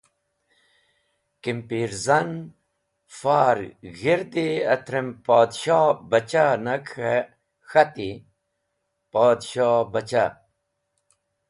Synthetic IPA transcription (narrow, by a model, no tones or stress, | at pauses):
kimpiɾzɐn | faːɾɣiɾd̪eɐt̪ʰɾempaːd̪ɕaːbɐt͡ɕanɐk | xɐt̪i | paːd̪ɕaːbɐt͡ɕa̰